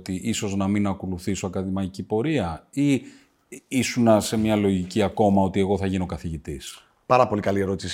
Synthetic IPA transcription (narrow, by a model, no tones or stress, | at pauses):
t̪iʔiso̞znɐminɐko̞luθisoɐkɐðimɐicipo̞ɾiɐi | isunɐse̞mɲɐlo̞ʝiciɐko̞mɐo̞t̪ieɣo̞θɐʝiniokɐθiʝit̪is | pɐɾɐpo̞likɐlie̞ɾot̪is